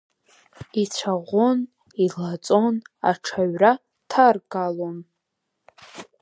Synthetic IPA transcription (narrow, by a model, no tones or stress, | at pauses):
it͡sʷʰaʁʷon | ilat͡sʼo̞na̰ʈ͡ʂʰaɥra | tʰarɡalon